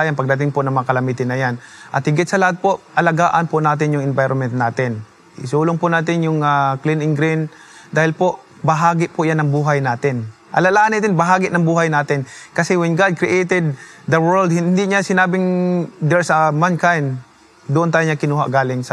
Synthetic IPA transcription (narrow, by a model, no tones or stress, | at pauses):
janpɐɡ̚d̪ɐt̪ɪŋpʊnɐŋmɐŋakɐlɐmiːt̪ɪnːɐjanʔɐt̪̚hɪɡɪt̪sɐlɐhat̪̚poʔʔɐlɐɡaːʔɐnpʊnaːt̪̬ɪnjʊŋʔɪnvajɾonmɛnt̪naːt̪ɪn | ʔɪsuːlʊŋpʊnaːt̪ɪnjʊŋaklɪnɪŋɡɾin | d̪aːhɪlpoʔ | bɐɦaːɡɪʔpʊʔjanːɐŋbuːɦajnaːt̪ɪn | ʔɐ̰lalaːʔanhɪt̪ɪnbɐɦaːɡɪʔnɐŋbuːɦajnaːt̪ɪnkɐsɛwɛnɡad̪̚kɾɪʔɛjt̪ɛd̪̚d̪ɐwɛld̪hɪnd̪ɪʔɲasɪnaːbɪŋd̪ɛɹsɐmankajn | d̪ʊʔʊnt̪aːjɲakɪnuːɦaʔɡaːlɪŋsɐ